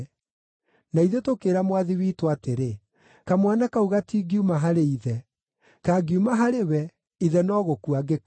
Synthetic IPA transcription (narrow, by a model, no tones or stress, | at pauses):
naiðetokeɾamwaðiwiːtwateɾe | kamwanakauɣatiɡiumaɦaɾeiðɛ | kaːɡjumaɦaɾewɛ | iðɛnɔɣokuaɡek